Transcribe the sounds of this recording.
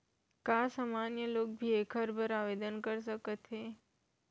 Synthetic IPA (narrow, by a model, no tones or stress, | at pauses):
kasaːmanjəloːk̚bʱiekʰəɾbʱəɾaʋed̪ənkəɾs̬əkət̪ɦe